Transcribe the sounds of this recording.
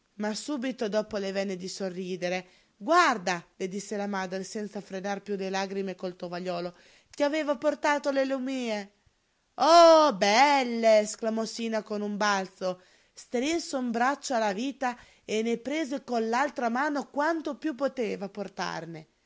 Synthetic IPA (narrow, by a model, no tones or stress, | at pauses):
masuːbit̪od̪ɔːpolevɛnːed̪isorːiːd̪eɾe | ɡward̪aled̪isːelamaːd̪ɾesɛnt̪safɾenarpjulelaɡɾimekolt̪ovaʎɔːlo | kiaveːvaport̪aːt̪olelumiːe | ɔbɛlːeːsklamɔsiːnakonumbalt̪so | st̪ɾinsoumbɾat͡ʃːoalaviːt̪a | enːepɾeːzekonlalt̪ɾamaːnokwant̪opjupːot̪eːvaport̪a̰rne